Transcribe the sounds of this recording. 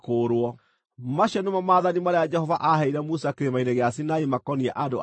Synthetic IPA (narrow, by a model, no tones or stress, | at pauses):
koːɾwɔ | maɕɛnemamaːðanimaɾead͡ʒɛhɔvaʔaɦɛiɾɛmusakeɾemaineɣeasinaimakɔniɛʔado